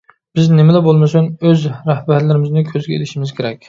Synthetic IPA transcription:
b̥ɪznɪmɛlɛbolˠmɨsunøzɾæhbæɾlɪɾɪmɪznɪkʲʰøzɡʲɛḛlɪʃimɪzkʲʰeɾɛkʲ

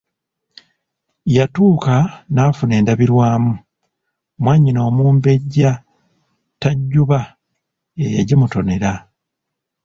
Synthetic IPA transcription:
jatuːkanaːfune̞ːndaβiɾwaːmu | mwaɲːino̞ːmuːmbe̞ɟa | taɟːuβa | ejaɟimuto̞ne̞ɾa

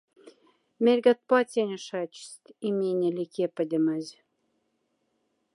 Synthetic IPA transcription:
mʲelʲɡɑt̪̚pɑt͡sʲenʲə̆ʃɑt͡ɕst̪ʲimʲenʲelʲikepə̆d̪ʲə̆mazʲ

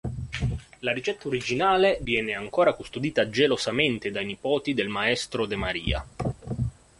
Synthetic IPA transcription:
laɾit͡ʃɛt̪ːaoɾid͡ʒinaːlevjɛːneaŋkoːɾakust̪od̪iːt̪ad͡ʒelosament̪ed̪ajnipɔːt̪id̪elmaɛst̪ɾod̪emaɾḭːa̰

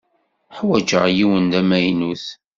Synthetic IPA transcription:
ħwæd͡ʒəʁjiwənd̪æmæjnuθ

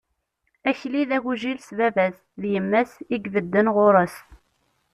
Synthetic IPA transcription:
æçliðæʝuʒilsvævæs | ðjəmːæsiɡvəd̪ːənʁoɾˤəs

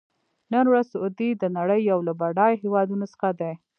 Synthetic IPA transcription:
nənwɾazod̪id̪ənaɽəjːawlabaɽɑjɦewɑd̪unosə̥xad̪aj

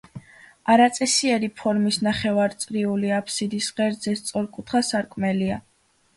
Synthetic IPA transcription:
aɾat̪sʼɛsiɛɾipʰɔɾmisnaχɛvaɾt̪sʼɾiuliapʰsid̪isʁɛɾd̪zɛst̪sʼɔɾkʼut̪ʰχasaɾkʼmɛlia

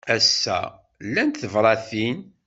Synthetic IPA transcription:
æsːæ̰ | lːænt̪θəvɾˤɑθin

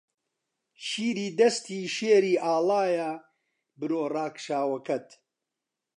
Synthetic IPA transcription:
ʃiːɾiːd̪ɐst̪iːʃeːɾiːʔaːlaːja | bɨɾoːraːkʃaːwɐkɐt̪

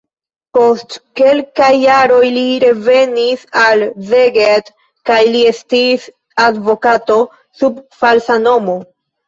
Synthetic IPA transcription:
po̞stke̞lkajːaɾo̞jliɾe̞ve̞nisalzeɡet | kajliestiːs | advo̞kato̞ | subfalsano̞mo̞

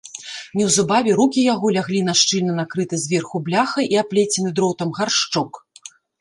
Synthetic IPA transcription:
nʲɛwzubavʲɛɾukʲijaɣɔlʲaɣlʲinaʂt͡ʂɨlʲnɐnakɾɨt̪ɨzʲvʲɛrxublʲaxɐʔiaplʲet͡sʲɛnɨd̪ɾɔwt̪ɐmɣarʂt͡ʂɔk

